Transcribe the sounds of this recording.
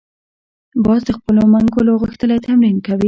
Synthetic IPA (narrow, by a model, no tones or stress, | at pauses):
bɑzd̪əxpəlomaŋɡoloɣəxt̪əlat̪amɾinkawi